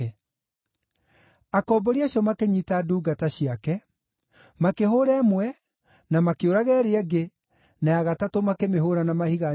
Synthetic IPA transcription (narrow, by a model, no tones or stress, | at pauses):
ɛ | akɔbɔɾiaɕiɔmakeɲitaduːɡataɕiakɛ | makeɦoɾɛːmwɛ | namakeoɾaɣɛɾeɛɡe | najaɣatatomakemeɦoɾanamahiɣa